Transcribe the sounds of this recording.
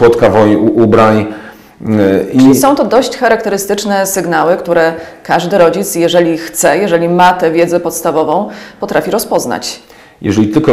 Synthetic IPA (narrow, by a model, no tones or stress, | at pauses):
wɔt̪kavɔjuʔubɾaɲ | lʲisɔ̃w̃t̪ɔd̪ɔɕt͡ɕxaɾakt̪ɛɾɘst̪ɘt͡ʂnɛsɘɡnawɘkt̪uɾɛkaʐd̪ɘɾɔd͡ʑit̪sjɛʐɛlʲixt̪sɛjɛʐɛlʲimat̪ɛvʲjɛd̪zɛpɔt̪st̪avɔvɔ̃w̃pɔt̪ɾafʲiɾɔspɔzna̰t͡ɕ | jɛ̰ʐɛlʲit̪ɘlkɔ